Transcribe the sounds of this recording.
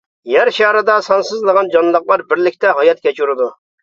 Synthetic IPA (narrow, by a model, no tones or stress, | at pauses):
jæɾʃɑhɾɨd̪ɑsɑnsɨzlˠəʁɑnd͡ʒɑnlˠəqlˠɑɾbɪɾlɪkʲt̪ɛɦɑjɑt̪̚kʲɛt͡ʃuɾɨd̪u